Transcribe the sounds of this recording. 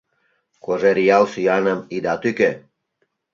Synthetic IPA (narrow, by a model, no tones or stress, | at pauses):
koʒeɾijɑlsyjɑnəmid̪ɑt̪yke